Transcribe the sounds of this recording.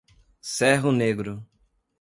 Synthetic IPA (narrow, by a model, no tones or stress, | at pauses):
sɛɦʊneɡɾʊ